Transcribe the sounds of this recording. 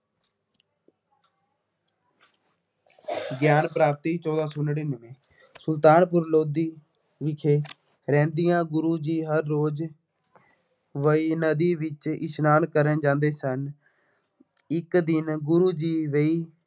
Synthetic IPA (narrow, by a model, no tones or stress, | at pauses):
ɡjaːnpɾaːp̚t̪iːt͡ʃɔːd̪ãːsonɽiːnəʋẽː | sʊlt̪aːnpʊɾloːd̪iː | ʋɪkʰeː | ɾɛ̃ːnd̪ɪjãːɡʊɾuːd͡ʒiːɦəɾːoːd͡ʒ | ʋəiːnəd̪iːʋɪt͡ʃɪ̰snaːnkəɾənd͡ʒãːnd̪eːsən | ɪkd̪ɪnɡʊɾuːd͡ʒiːʋeiː